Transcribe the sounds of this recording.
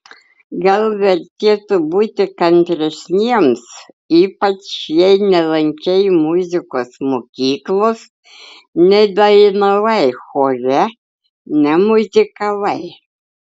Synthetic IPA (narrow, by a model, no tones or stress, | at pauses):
ɡɐlˠʋʲɛɾʲt̪ʲeːt̪ʊbuːt̪ʲɪkɐnʲt̪ʲɾʲɛsʲnʲiɛms | iːpɐt͡ʃjɛɪnʲɛlˠɐŋʲkʲɛɪmʊzʲɪkoːsmoːkʲiːklˠoːs | nʲɛd̪ɐnɐʋɐɪxoːɾʲɛ | nʲɛmʊzʲɪkɐlɐɪ